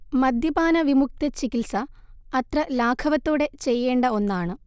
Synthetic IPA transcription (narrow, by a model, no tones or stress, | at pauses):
mɐd̪jɐbaːnɐʋimuk̚t̪ɐt͡ɕikilsɐɐt̪rɐlaːkʰɐʋɐt̪ːoːɽe̞t͡ɕe̞jːe̞ːɳɖɐo̞nːaːɳɨ